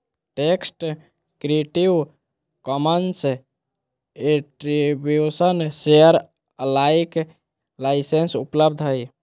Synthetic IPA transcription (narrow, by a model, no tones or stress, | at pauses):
ʈeksʈ | kɾieʈiʋ | kɔmənse | eʈɾibjusənseəɾ | əlajk | laɪsensupləb̚d̪ʱɦəj